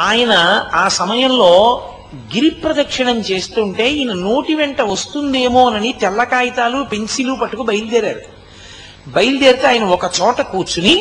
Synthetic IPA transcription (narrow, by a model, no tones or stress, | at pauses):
aːjɐnɐaːsɐmɐjɐmlo̞ː | ɡiɾipːɾɐd̪ɐkʂɐɳɐmt͡ʃe̞ːst̪uːɳʈe̞ːinɐno̞ːʈiʋeɳʈɐʋɐst̪und̪e̞ːmoːɐnɐnit̪ɛlːɐkaːjit̪aːlupeɲsiluːpɐʈːukubɐjlud̪eːɾaːɾu | bɐjlud̪eːɾit̪eaːjɐnɐɔkɐt͡ʃɔːʈɐkuːɾt͡ʃuni